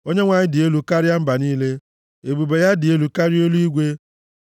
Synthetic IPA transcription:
o˦ɲe˦ŋʷa˨ɲɪ˦dɪ˨e˦lu˨ka˦ɾɪ˦ja˦m̩˦ba˨niː˦le˦ | e˨bu˨be˨ja˦dɪ˨e˦lu˨ka˦ɾɪ˦o˦lu˦i˦ɡʷe˦

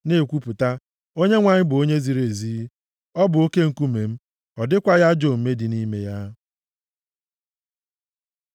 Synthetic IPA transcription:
ne˦˨kʷu˦pʊ˨ta˦ | o˦ɲe˦ŋʷa˨ɲɪ˦bʊ˨o˦ɲe˦zi˨ɾe˨zi˦ | ɔ˦bʊ˨o˦ke˦ŋ̩˨ku˦me˨m̩˦ | ɔ˨dɪ˦kʷa˦ja˦d͡ʒo˨m̩˨me˦dɪ˨ni˦me˦ja˦

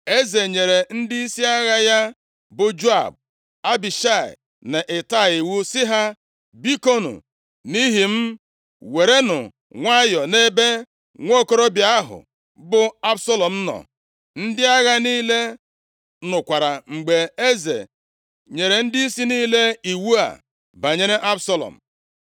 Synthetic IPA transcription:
e˦ze˨ɲe˨ɾe˨n̩˦dɪ˦i˦si˦a˦ɣa˦ja˦ | bʊ˨d͡ʒo˦a̰˨b̚ | a˦bi˨ʃa˦˨ɪ̰˨ | ne˨ʔɪ˨ta˦˨i˨wu˦sɪ˦ɦa˦ | bi˦ko˦nṵ˨ | ni˦ɦi˨m̩˦ | we˨ɾe˦nʊ̰˨ | ŋʷa˦jɔ˨ne˦be˦ | ŋʷo˦˨ko˦ɾo˦bja˦ɦʊ̰˨ | bʊ˨a˦bso˦lɔ˨m̩˦nɔ̰˨ | n̩˦dɪ˦a˦ɣa˦niː˦le˦ | nʊ˨kʷa˨ɾa˨ŋ͡m̩˨ɡ͡be˨e˦zḛ˨ | ɲe˨ɾe˨n̩˦di˦i˦si˦niː˦le˦i˨wu˦a̰˨ | ba˨ɲe˨˦ɾe˦ʔa˦bsa˦lɔ̰˨m̩˨

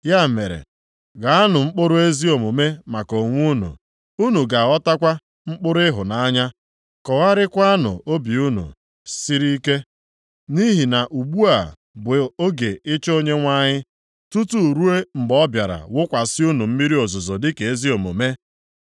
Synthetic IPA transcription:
ja˦˨me˨ɾḛ˨ | ɡa˨a˦nʊ˨ŋ͡m̩˦k͡pʊ˦ɾʊ˦e˦zi˦o˨mo˨me˦ma˨ko˨ŋʷu˦nṵ˨ | u˦nu˨ɡa˨ɔ˦ta˦kʷa˦ | ŋ͡m̩˦k͡pʊ˦ɾʊ˦ɪ˦ɦʊ˨na˨a˦ɲa˦ | kɔ˨ɣa˦ɾɪ˦kʷa˦a˦nʊ̰˨o˦bi˨u˦nṵ˨ | si˦ɾi˦ke˦ | ni˦ɦi˨na˨ʔu˨ɡ͡bu˦a̰˨ | bo˦ɡe˨ɪ˦t͡ʃo˦ɲe˦ŋʷa˦ɲɪ˦ | tu˦tu˦˨ɾu˦e˦ŋ͡m̩˨ɡ͡bɔ˦bja˨ɾa̰˨wʊ˦kʷa˨sɪ˦u˦nu˨m̩˦mi˦ɾi˦o˨zʊ˨zo˨dɪ˦ke˨e˦zi˦o˨mo˨me˦

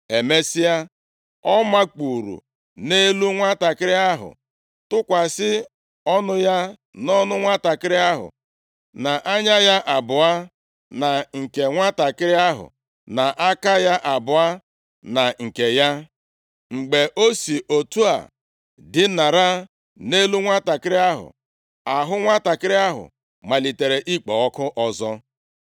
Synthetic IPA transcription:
e˨me˦si˦a˦ | ɔ˦ma˦k͡pu˨ɾṵ˨ | ne˦lu˦ŋʷa˦ta˨kɪ˦ɾɪ˦a˦ɦʊ̰˨ | tʊ˦kʷa˨sɪ˦ | ɔ˦nʊ˦ja˦ | nɔ˦nʊ˦ŋʷa˦ta˨kɪ˦ɾɪ˦a˦ɦʊ̰˨ | na˨ʔa˦ɲa˦ja˦ʔa˨bʊ˨a˦ | na˨ŋ̩˨ke˨ŋʷa˦ta˨kɪ˦ɾɪ˦a˦ɦʊ̰˨ | na˨ʔa˦ka˦ja˦ʔa˨bʊ˨a˦ | na˨ŋ̩˨ke˨ja˦ | ŋ͡m̩˨ɡ͡be˨ʔo˦si˨o˨tu˦a̰˨ | dɪ˦na˨ɾa˦ | ne˦lu˦ŋʷa˦ta˨kɪ˦ɾɪ˦a˦ɦʊ̰˨ | a˨ɦʊ˦ŋʷa˦ta˨kɪ˦ɾɪ˦a˦ɦʊ̰˨ | ma˨li˨te˨ɾe˨ʔi˦k͡pɔ˨ɔ˦kʊ˦ʔɔ˦zɔ˦

